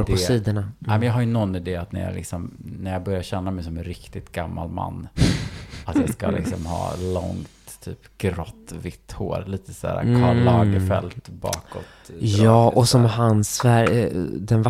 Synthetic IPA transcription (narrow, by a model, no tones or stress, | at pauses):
ɾd̪ʰɔiːd̪əɳaɛmɛnjɑːɦaɾjɵnɔnːɪd̪eːat̪næ̰ɾjɑ̰lɪ̰ksɔmnæɾjɑːbœɾjaɾɕɛnːamɛjsɔmɛnɾɪkt̪ɪt̪ɡamːalma̰nː | at̪jɑskalɪ̰ksɔmhɑ̰ːlɔŋtt̪ʰːyːpɡ̥ɾɔt̪ːvɪt̪ːhoːɾliːt̪ə̥sæ̰ːɾa̰kʰɑlɑːɡəfɛlt̪bɑ̰ːkɔt̪jɑːʔɔsɔmɦansvæɾd̪ɛnva